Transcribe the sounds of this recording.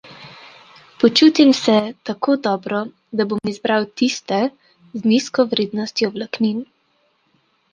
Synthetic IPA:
pɔt͡ʃuːt̪imsɛt̪akod̪ɔːbɾɔ | d̪abomizbɾawt̪ist̪ɛ | zniskɔʋɾeːd̪nɔst̪jɔblaknin

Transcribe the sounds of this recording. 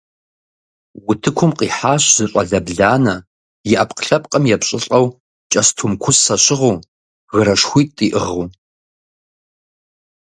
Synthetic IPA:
wʊtʰɨkʷʰʊmqiːħaːɕz̥ɨɕʼɐɮɐbɮaːnɐ | jɪʔɐpʰqəɬɐpʼqʼɐmjɛpɕʼɪɬʼɐw | t͡ʃʼɐstʰumkʷʰʊsːɐɕɪʁoː | ɣəɾɐʂxʷiːtʼiːʔɨʁuː

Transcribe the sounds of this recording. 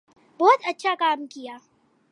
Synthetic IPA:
boːt̪at͡ʃːakaːmkʲɪjaː

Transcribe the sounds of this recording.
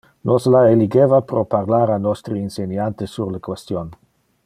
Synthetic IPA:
nʔoslaeliɡevapɾoparlaːɾanɔst̪ɾiinsenjant̪əsurləkwest̪jon

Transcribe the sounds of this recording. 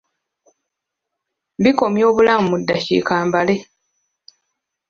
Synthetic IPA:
βiko̞mjo̞ːβulamumudːaʃḭkaːmbale̞

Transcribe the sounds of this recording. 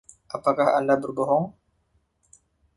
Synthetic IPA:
ʔapakahandabərbɔɦɔŋ

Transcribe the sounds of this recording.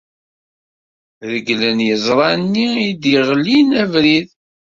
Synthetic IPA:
ðəɡlənjəzˤɾˤɑnːiid̪jəʁlːinævɾið

